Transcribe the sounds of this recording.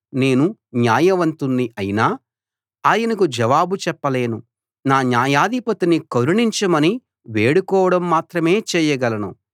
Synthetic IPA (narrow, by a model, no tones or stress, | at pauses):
ne̞ːnuɲjaːjɐʋɐnt̪unːiʔɐjinaː | aːjɐnɐkud͡ʒɐʋaːbut͡ʃɛpːɐle̞ːnu | naːnjaːjaːd̪ʱipɐt̪inikoɾuɳiɲt͡ʃɐmɐni | ʋeːɽukɔːʋɐɽɐmːaːt̪ɾɐme̞ːt͡ʃɛːjɐɡɐlɐnṵ